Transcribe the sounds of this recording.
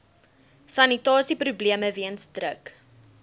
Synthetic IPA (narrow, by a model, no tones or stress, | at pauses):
sɐnitɑːsiprubliəməviənsdrək